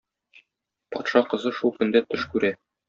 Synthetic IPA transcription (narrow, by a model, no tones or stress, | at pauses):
pɒt̪ʃɑqɤ̆zɤʃulˠkɵ̆nd̪æt̪ɵʃkʉɾæ